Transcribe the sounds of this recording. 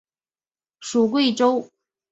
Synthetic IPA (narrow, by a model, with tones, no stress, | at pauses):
ʂu˨˩k̬we˥˧ɪʈ͡ʂo˥ʊ